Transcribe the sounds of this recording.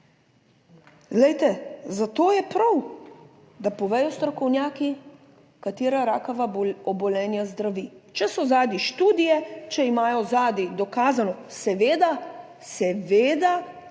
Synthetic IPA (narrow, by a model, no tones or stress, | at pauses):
ɡlɛjt̪ɛzat̪oːjɛpɾaw | d̪apɔʋɛːjɔst̪ɾɔkɔwnjaːki | kat̪eːɾaɾaːkaʋaɔbɔlɛːnjazd̪ɾaʋiːt͡ʃɛsɔzaːd̪iʃt̪uːd̪ijɛt͡ʃɛimaːjɔzaːd̪id̪ɔkaːzanɔsɛʋeːd̪a | sɛʋeːd̪a